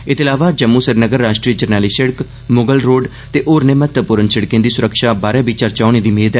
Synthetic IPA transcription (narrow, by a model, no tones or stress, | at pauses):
ɪt̪ɪlaːʋaːd͡ʒəmːuːsəɾnəɡəɾːaːʃʈɾiːəd͡ʒəɾnɛːliːsɪɽək | moɡəlɾoːɖ | t̪eːʔoːɾnɪmət̪pʊɾənsɪɽkẽːd̪iːsʊɾəkʃaːbaːɾɛ̃ːbiːt͡ʃəɾt͡ʃaːñeːd̪iːmeːd̪ɛ